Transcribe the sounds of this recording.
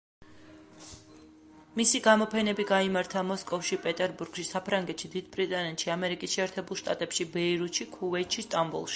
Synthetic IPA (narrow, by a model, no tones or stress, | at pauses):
misiɡamɔpʰɛnɛbiɡaimaɾt̪ʰamɔskʼɔfʃipʼɛt̪ʼɛɾbuɾɡ̥ʃisapʰɾaŋɡɛt̪ʃid̪id̪bɾit̪ʼanɛt̪ʃiamɛɾikʼisʃɛːɾt̪ʰɛbulˠʃt̪ʼat̪ʼɛpʃibɛiɾut̪ʃikʰuvɛt̪ʃʰist̪ʼambṵlˠʃi̥